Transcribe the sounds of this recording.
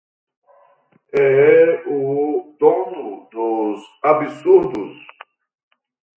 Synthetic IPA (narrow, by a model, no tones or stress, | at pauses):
ɛɛud̪onʊd̪ʊzabisuɾd̪us